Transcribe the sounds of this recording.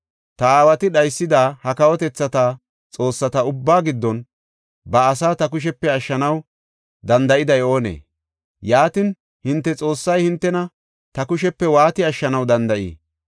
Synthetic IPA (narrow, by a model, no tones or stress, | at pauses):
t̪ɐaːwɐt̪ɪɗɐjsːɪd̪aːhɐkɐwɔt̪ɛt͡sːɐt̪aː | t͡sʼo̞ːsːɐt̪ɐʊbːaːɡɪd̪ːɔn | bɐːsaːt̪ɐkʊʃ̬ɛpːɛɐʃːɐnɐw | d̪ɐnd̪ɐʔɪd̪ɐjo̞ːnḛː | jaːt̪ɪn | hɪnt̪ːɛt͡sʼo̞ːsːɐjhɪnt̪ːɛnɐ | t̪ɐkʊʃɛpːɛwaːt̪ɪɐʃːɐnɐwd̪ɐnd̪ɐʔḭː